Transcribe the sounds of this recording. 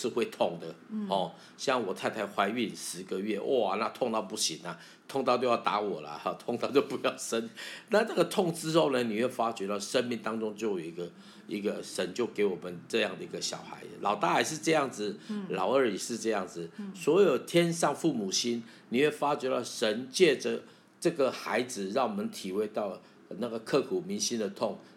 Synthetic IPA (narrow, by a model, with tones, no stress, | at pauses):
ʂɻ̩˥˧xwe˥˧ɪt̪ʰʊ˥˩ŋd̪ə˨xɔ˥˧ | ɕjɑ˥˩ŋwɔ˨˩t̪ʰa˥ɪt̪ʰa˧˥ɪxwa˧˥ɪy˥˩˨ʂɻ̩˧˥ɡə˨ɥɛ˥˩ʔwʔɔ˥˧˩a˨˦na˥˧t̪ʰʊ˥˧ŋt̪ɑ˥˧ʊpu˥˩ɕi˨˦nɐ˨ | t̪ʰʊ˥˧ŋt̪ɑ˥˧ʊt͡ɕo˥˧ʊjɑ˥˩t̪a̰˧˥wɔ˨˩lə̰˨˦˥t̪ʰo˥˧ŋt̪ɑ˥˧ʊt͡ɕjo˥˧ʊpu˧˦jɑ˥˨˩ʊʂə˦˥nna˥˧na˥˩ɡə˩t̪ʰʊ˥˧ŋt͡sɹ̩˥o˥˩ʊnə˨ni˨˩ɥɛ˥˩fa˥t͡ɕɥɛ˧˥t̪ɑ˥˨˩ʊʂə˦nmi˥˩ŋt̪ɑ˥ŋʈ͡ʂʊ˥ŋt͡ɕjo˥˩ʊjo˨˩ʊi˧˥ɡə˧ | i˧˥ɡə˧ʂə˧˦nt͡ɕjo˥˩ʊke˧˥ɪwɔ˨˩mə˦nʈ͡ʂɤ˥˧jɑ˥˩ŋd̪ə˨i˧˥ɡə˧ɕjɑ̰˨˩ʊxa̰˧˥ɪ˨lʔɑ˨˩ʊt̪a˥a˨˩ɪʂɻ̩˥˧ʈ͡ʂɤ˥˧jɑ˥˩ŋd͡zɹ̩˨˩lɑ˨˩ʊə˞˥˧˩i˨˩ʂɻ̩˥˧ʈ͡ʂɤ˥˧jɑ˥˩ŋd͡zɹ̩˨˩swɔ˧˥jo˨˩ʊt̪ʰjɛ˥nʂɑ˥˧ŋfu˥˩mu˨˩ɕi˦n | ni˨ɥwɛ˥˩fa˥t͡ɕɥɛ˧˥t̪ɑ˥˩ʊʂə˧˦nt͡ɕjɛ˥˩ʈ͡ʂə˨˩ | ʈ͡ʂɤ˥˩ɡə˨xa˧˥ɪd͡zɹ̩˨ɻɑ˥˩ŋwɔ˨mə˨˦nt̪ʰi˨˩we˥˧ɪt̪ɑ˥˩ʊ | na˥˩ɡə˩kʰɤ˥˩kʰu˨˩mi˧˥nɕi˦˥nd̪ə˨t̪ʰʊ˥˩ŋ